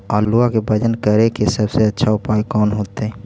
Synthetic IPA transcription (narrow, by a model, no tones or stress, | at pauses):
ɔɾluakebʱəd͡ʒənkəɾekesəbseətːʃʰaupajkɔːnɦot̪e